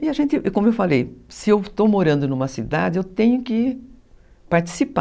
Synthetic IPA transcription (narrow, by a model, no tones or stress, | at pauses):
ɪaʒẽnt̪ɪʔkõmʊewfalejsɪewt̪owmoɾɐ̃nd̪ʊnũmɐsid̪a̰d͡ʒɪewt̪ẽɲʊkɪ | paɾt͡ʃi̥sipa